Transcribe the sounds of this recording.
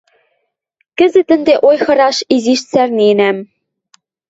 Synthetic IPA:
kɘ̆zɘ̆t̪ɘ̆nd̪eʔojxɤ̆ɾɑʃiziʃt͡særnenæm

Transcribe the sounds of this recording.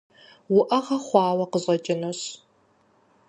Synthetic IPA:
wʊʔɐʁɐχʷɑːwɐqəʑʼɐt͡ʃʼɪnɐɕ

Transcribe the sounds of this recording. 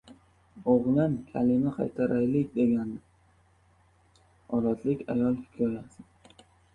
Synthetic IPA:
oʁlankʲʰalɪmaqʰɑ̰jt̪ʰaɾʔajlɪkʲd̪e̞ɡʲand̪ɪ | ɒlat̪ʰlɪkʲa̰jɒlˠhɪkʲʰɒjasɪ

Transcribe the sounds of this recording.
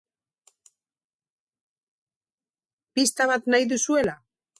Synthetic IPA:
pist̪aβat̪najðusue̞la

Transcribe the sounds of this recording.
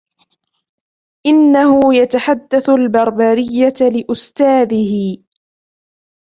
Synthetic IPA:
ʔɪnːahʊjat̪aħad̪ːaθʊlbɑɾˤbaɾɪjːalɪʔʊst̪aːðɪhɪ

